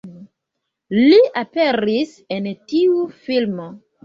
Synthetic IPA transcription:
liʔapeɾis | entiufilmo

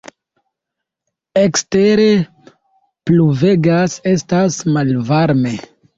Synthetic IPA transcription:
ekste̞ɾe̞ | pluve̞ɡase̞stasmalvaɾme̞

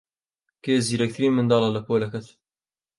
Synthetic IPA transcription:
keːziːɾɐkt̪ʰɨɾiːnmɨnd̪ɑːlɑːlɐpʰoːlɐkɐt̪

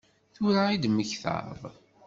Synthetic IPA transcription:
θʊɾaid̪məçθə̰ɾðˤ

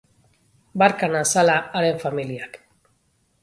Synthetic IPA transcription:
baɾkanasalaːɾe̞ɱfamiliak

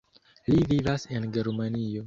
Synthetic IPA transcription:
livivase̞nɡe̞ɾmanio̞

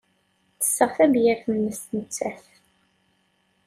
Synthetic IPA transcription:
θə̥sːəʁθæbjæɾθnːəst̪nət͡sːæθ

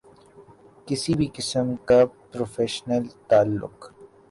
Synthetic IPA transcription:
kɪsibʱikɪsəmkapɾoːfeːʃnəlt̪aːlːʊ̰q

